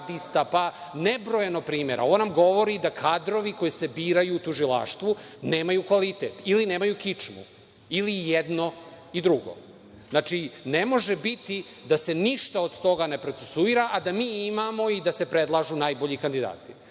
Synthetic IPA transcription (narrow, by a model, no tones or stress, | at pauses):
d̪ist̪apanebɾojenopɾiːme̞ɾʔa̰o̞namɡo̞ʋo̞ɾid̪akʰaːd̪ɾo̞ʋiko̞jise̞biːɾajuːt̪uʒila̰ʃt̪ʋune̞ːmajukʋalit̪eːt̪ilineːmajukit͡ʂmṵ | ilijɛd̪no̞ | id̪ɾuɡo̞̰ | znat͡ʂinemo̞ʒebit̪i | d̪ase̞niʃt̪aod̪t̪o̞ɡane̞pɾo̞t̪sesuiɾaʔad̪amiːimamo̞id̪ase̞pɾed̪lˠaʒunaːjboʎikand̪id̪a̰ːt̪i̥